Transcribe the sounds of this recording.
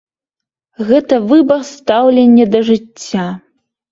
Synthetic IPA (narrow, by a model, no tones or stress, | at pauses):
ɣɛt̪ɐvɨbɐrst̪awlʲenʲːɛd̪ɐʐɨt͡sʲːa